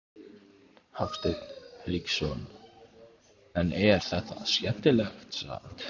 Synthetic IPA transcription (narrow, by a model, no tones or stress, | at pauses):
haft̪ɪt̪n̥hliksɔn | ɛnɛɾ̥θɛht̪a̰sjɛn̥t̪ɪlɛxt̪sa̰a̰n̥t̪